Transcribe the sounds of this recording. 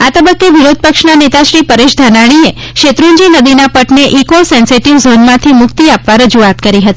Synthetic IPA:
at̪əbəkːeʋiɾod̪̚pəkʂnanet̪aʃɾipəɾeʃd̪ʱanaɽ̃ie | ʃet̪ɾund͡ʒinəd̪inapəʈneʔikosɛnseʈiʋzonmãt̪ʰimʊkt̪iapʋaɾəd͡ʒuat̪kəɾiɦət̪i̥

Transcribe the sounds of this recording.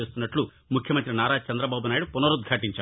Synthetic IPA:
eːst̪unːɐʈlu | mukʰjɐmɐnt̪ɾinaːɾaːt͡ʃɐnd̪ɾɐbaːbunaːjiɽupunɐɾud̪̚ɡʱaːʈiɲt͡ʃaː

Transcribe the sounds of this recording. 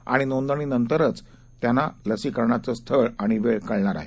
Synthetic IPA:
a̰ɽ̃inond̪əɳ̃iːnənt̪əɾət͡s | t̪janaləsiːkəɾɳat͡səst̪ʰəɭaɽ̃iʋeɭkəɭɳaɾa̰ɦe

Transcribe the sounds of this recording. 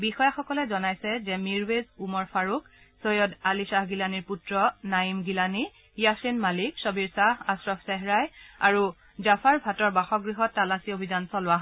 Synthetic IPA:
bixɔjaxɔkɔlɛzɔnajsɛzɛmiɹwezumɔɹpʰaɹuk̚ | sojɔdalisahɡilaniɹputɹɔnajimɡilani | jasenmaliksɔbiɹsahasɹɔpsɛɦɹajaɹu | zapʰaɹbʱatɔɹbaxɔɡɹiɦɔtːalasiobʱizansɔlʊwaɦ

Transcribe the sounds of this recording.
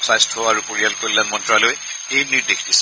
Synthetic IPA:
sajstʰɔaɹupoɹijalkoɹilanmɔntɹaloj | ejniɹdexʰd̥is

